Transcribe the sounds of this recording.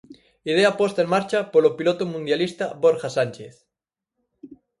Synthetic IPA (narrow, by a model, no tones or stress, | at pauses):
ið̞eapwost̪aeŋmaɾt͡ʃapolopilot̪omũnd̪jalist̪aβoɾxasanʲt͡ʃeθ